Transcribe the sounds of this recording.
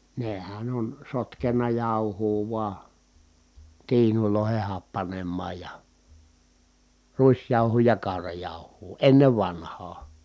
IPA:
nehæn on sotkenːɑ jɑˑuhuː ʋuɑ tiːnuloˑeheh hɑpːɑnemːɑːj jɑ ruisjɑˑuhuː jɑ kɑˑu̞rɑjɑˑuhˑuː enːeʋ ʋɑnhɑː

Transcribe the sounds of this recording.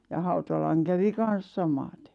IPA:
jɑ hɑutɑlɑŋ kæʋi kɑn̞s sɑmɑte̥

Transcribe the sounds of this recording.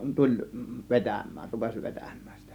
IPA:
tulʲ ʋetæmˑæːn rupesʲ ʋetæmˑæ̥ːn̥ si̥tæ̥

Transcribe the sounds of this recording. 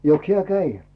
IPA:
joks hiæ kæi

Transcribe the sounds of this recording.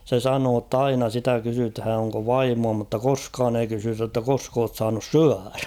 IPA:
se sɑnoː tː ɑinɑ sitæ kysythæˑ oŋko ʋɑimuɑ mutːɑ koskɑːn ei kysytæ tːæ kosk oːt sɑːnus syær̥æ̥

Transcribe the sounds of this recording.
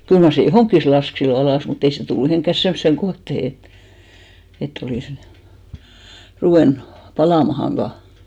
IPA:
kyl mɑr se johoˑŋkːis lɑsk silːo ɑlɑˑs mut ei se tulːu mihiˑŋkːæs semːŏsːeŋ kohtehe et etː oliˑs ruʋeˑnu̥ pɑlɑˑmɑhɑn̞ ʋɑː

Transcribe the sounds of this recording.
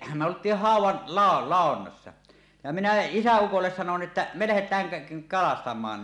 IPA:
me oltˑiːh hɑˑuwˑɑn lɑˑo lɑˑonːɑsːɑ jɑ minæ isæukolːes sɑnon ʔĕtːæ me læhetˑæːŋ kæ kɑlɑstɑmˑɑːn

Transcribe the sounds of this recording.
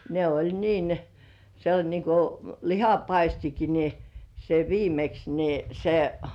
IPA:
ne olʲ niːn se olʲ niŋku lihɑpɑistiki ni se ʋiːmeks ni se

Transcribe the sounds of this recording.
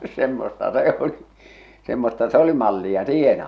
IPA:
semːostɑ se o̝li semːostɑ se ə̆li mɑlːiɑ siːhen

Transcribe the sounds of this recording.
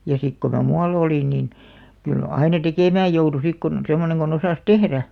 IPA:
jɑ sik ko mæ muɑl oliˑn nin kyl ɑinɑ tekeˑmæːj joutu sik kun semːoneŋ ɡ̊on osɑˑs tehræ

